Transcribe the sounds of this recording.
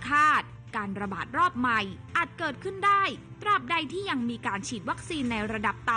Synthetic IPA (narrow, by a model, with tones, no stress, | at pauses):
kʰaː˥˩t̪̚ | kaː˧nɾa˧ba̰ː˨˩t̪̚ɾɔː˥˩p̚ma˧jʔaː˨˩t̪̚kɤː˨˩t̪̚kʰɯ˥˩ndaː˥˩jt̪ɾa˨˩p̚da˧jt̪ʰiː˥˩ja˧ŋmiː˧kaː˧nt͡ɕʰiː˨˩t̪̚wa˦˥k̚siː˧nːa˧jɾa˧da˨˩p̚t̪a˧